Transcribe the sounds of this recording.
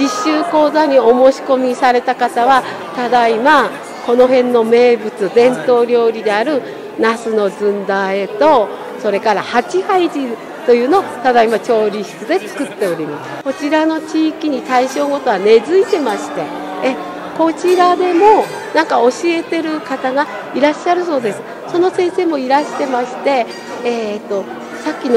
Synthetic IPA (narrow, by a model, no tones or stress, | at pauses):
d͡ʑiɕːɨːko̞ːzaɲ̟io̞mo̞ːɕi̥ko̞mʲisaɾe̞t̪akat̪aβa | t̪ad̪aima | ko̞no̞ɦẽ̞nːo̞me̞ːbɯ̟t͡sɨd̪ẽ̞nt̪o̞ːɾʲjo̞ːɾʲid̪e̞aɾɯ̟ | nasɨno̞zɨ̃nd̪ae̞t̪o̞ | so̞ɾe̞kaɾahat͡ɕihaid͡ʑi | t̪o̞jɯ̟ːno̞t̪ad̪aimat͡ɕo̞ːɾʲiɕi̥t͡sɨd̪e̞t͡sɨ̥kɯ̟t̪ːe̞o̞ɾʲimasɨ̥ko̞t͡ɕiɾano̞t͡ɕiːkʲiɲ̟it̪aiɕo̞ːɡot̪o̞βane̞zɨit̪e̞maɕi̥t̪e̞ː | ko̞t͡ɕiɾad̪e̞mo̞ | nãŋkao̞ɕie̞t̪e̞ɾɯ̟kat̪aɡa | iɾaɕːaɾɯ̟so̞ːd̪e̞sɨ̥ | so̞no̞sẽ̞ɰ̃se̞ːmo̞iɾaɕi̥t̪e̞maɕi̥t̪e̞ | t̪ːo | sakʲːino